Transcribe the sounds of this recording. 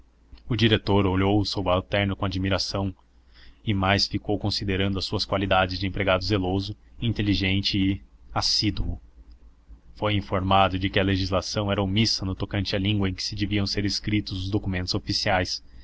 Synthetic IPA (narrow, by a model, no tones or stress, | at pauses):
ʊd͡ʒiɾet̪oɾoʎowʊsowbalt̪ɛɾnʊkõad͡ʒimiɾasɐ̃w̃ | ɪmajsfikowkõsid̪eɾɐ̃nd̪ʊɐsuɐskwalid̪ad͡ʒɪzd͡ʒɪẽpɾeɡad̪ʊzelozʊĩnt̪eliʒẽnt͡ʃɪːasid̪uʊ̰ | fojĩfoɾmad̪ʊd͡ʒɪkɪɐleʒizlasɐ̃w̃ɛɾɐumisɐnʊt̪okɐ̃nt͡ʃɪɐlĩŋɡwɐẽj̃kɪ̥sɪd͡ʒeviɐ̃w̃seɾɪskɾit̪ʊzʊzd̪okumẽnt̪ʊzofisiajs